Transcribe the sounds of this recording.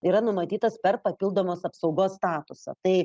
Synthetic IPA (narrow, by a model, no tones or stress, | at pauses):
iːɾɐnʊmɐt̪ʲiːt̪ɐspʲɛrpɐpʲilˠd̪oːmoːsɐpsɒʊɡoːsst̪ɑːt̪ʊsɐ̰t̪ɐɪ